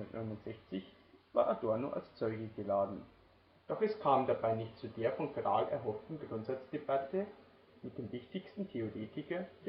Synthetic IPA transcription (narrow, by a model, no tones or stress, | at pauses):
ɐtnʔɔʏnʊntz̥ɛçt͡sɪç | v̥a̰ːɐʔadɔɐnoʔa̰lst͡sɔʏɡəɡəlaːdn̩ | d̥ɔχɛskʰaːmdabaɪnɪçtt͡sudeːɐfɔnkʁa̰ːlɛ̰ɐɦɔftn̩ɡʁʊntz̥at͡sd̥ebatə | mɪt̚d̥eːmvɪçtɪçstn̩tʰeoʁeːtɪkɐ